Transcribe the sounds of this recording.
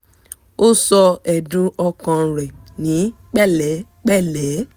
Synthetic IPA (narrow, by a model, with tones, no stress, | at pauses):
o˦sɔ˧ɛ˨dũ˨˦ʔɔ˧kã˧˨ɾɛ˨nĩ˨˦ | k͡pɛ˦˨lɛ˨˦ | k͡pɛ˦˨lɛ˨˦